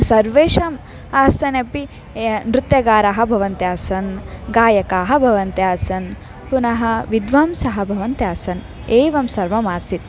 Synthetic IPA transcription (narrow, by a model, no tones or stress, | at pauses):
sɐɾʋeːʂɐm | aːsɐnɐpi | nɾut̪jɐɡaːɾaːɦɐ̆bʱɐʋɐnt̪jaːsɐnɡaːjɐkaːɦɐ̆bʱɐʋɐnt̪jaːsɐn | punɐɦɐ̆ʋid̪ʋaːmsɐɦɐbʱɐʋɐnt̪jaːsɐn | eːʋɐmsɐɾʋɐmaːsit̪̚